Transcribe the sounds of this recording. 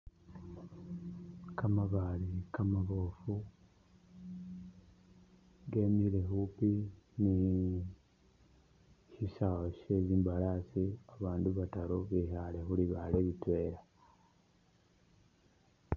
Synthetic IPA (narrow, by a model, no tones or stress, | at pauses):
kamaβalikamaβo̞fu | ɡe̞miɾe̞xupini | çiʃawoʃe̞ziːmbalasiaβaːnduβataɾoβihale̞xuliβale̞βitwe̞ɾa